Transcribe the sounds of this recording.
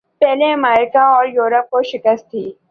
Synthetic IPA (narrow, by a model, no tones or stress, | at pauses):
pɛɦleəmɛːɾɪkaɔːɾjuːɾəp̚koʃɪkəst̪ʰːiː